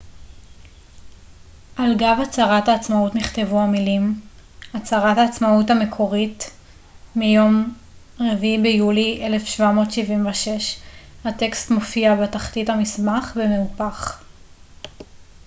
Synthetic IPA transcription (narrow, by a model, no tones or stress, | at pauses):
ʔalɡavat͡saʁathaːt͡smautniχtevuamilimat͡saʁathaːt͡smautame̞kʰo̞ʁit | mijo̞m | ʁevibejuliʔele̞fʃvamo̞tʃivimveʃe̞ʃhate̞kstmo̞fiabetaχtitamismaχbemeupaχ